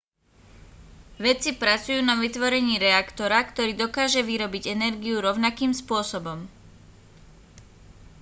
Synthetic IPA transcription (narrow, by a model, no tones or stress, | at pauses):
ʋɛt͡sipɾat͡sujuːnaʋit̪ʋɔɾɛɲiːɾɛakt̪ɔɾakt̪ɔɾiːd̪ɔkaːʒɛʋiɾɔbiɟɛnɛɾɡiuɾɔʊnakiːmspʊɔsɔbɔm